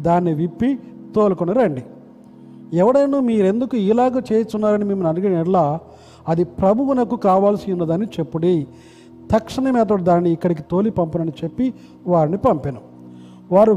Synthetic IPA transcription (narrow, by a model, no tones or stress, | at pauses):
d̪aːnːiʋipːit̪oːlkonɐɾɐɳɖi | ɛʋɐɽɐjnuːmiːɾe̞nd̪ukuiːlaːɡɐt͡ʃeːjɐt͡ʃunːaːɾɐnimemːunɐnuɡɐɛɽlaː | ɐd̪ipɾɐbʱuʋunɐkːukaːʋaːlɐsiunːɐd̪aːnːit͡ʃe̞pːuɽi | t̪ɐkʂɐnɐmɛːt̪̬ɐɽid̪aːnːiːkːɐɽik̬it̪o̞ːlipɐmpunɐnit͡ʃe̞pːi | ʋaːɾinipɐmpinu | ʋaːɾu